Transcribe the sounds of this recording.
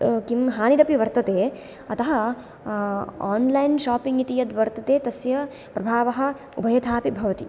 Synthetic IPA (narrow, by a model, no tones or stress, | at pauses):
kimɦaːniɾɐpiʋɐɾt̪ɐt̪eː | ɐt̪ɐɦɐ | aːnlɐjnʃaːpiŋɡit̪ijɐd̪ʋɐɾt̪ɐt̪eːt̪ɐsjɐ | pɾɐbʱaːʋɐɦɐ̆ | ṵbʱɐjɐt̪ʰaːpibʱɐʋɐt̪i